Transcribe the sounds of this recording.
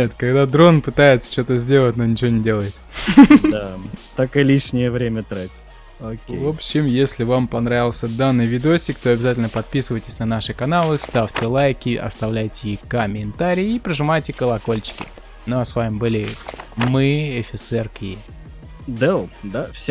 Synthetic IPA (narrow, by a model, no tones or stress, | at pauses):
et̪kɐɡd̪ad̪ɾo̞npɨt̪ajɪt̪sə̥t͡ɕo̞t̪əzʲdʲe̞lˠət̚ʲnonʲɪt͡ɕɪvonʲɪdʲe̞lˠəjɪt̪d̪at̪akɨlʲiʂnʲɪjəvɾʲemʲət̪ɾatʲɪ̥tʲ | okʲevo̞pɕːɪmjesʲlʲɪvampɐnɾavʲɪlˠsʲəd̪anːɨjvʲɪd̪osʲtʲɪkt̪o̞ɐbʲɪzatʲɪlʲnəpɐt̪̚pʲisɨvəjtʲɪ̥sʲnɐnaʂɨkɐnalˠɨst̪aftʲɪlˠajkʲɪʔɐ̰st̪ɐvlʲæjtʲɪjikəmʲɪnt̪aɾʲɪjːipɾəʐɨmajtʲɪkəlˠɐko̞lʲt͡ɕɪ̥kʲɪ̰ | noɐsvamʲɪmbɨlʲɪmɨɛfʲɪt̪sɛrkʲɪ | d̪ɛlˠd̪afsʲ